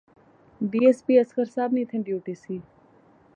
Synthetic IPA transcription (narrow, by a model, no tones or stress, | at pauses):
ɖiːespiːɐskəɾsaːbnĩːt̪ʰẽɖjuːʈiːsiː